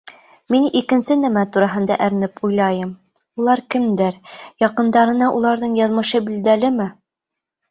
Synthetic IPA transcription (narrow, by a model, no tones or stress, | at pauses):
minikɘ̆nsɘnæmæt̪uɾɑɦɤ̆nd̪ɑʔɘ̆ɾɘ̆nɘpujlˠɑjɤm | ulˠɑɾkɘ̆md̪ɘɾjɑqɤ̆nd̪ɑɾɤ̆nɑʔulˠɑɾðɤɴjɑðmɤ̆ʃɤbild̪ælɘmɘ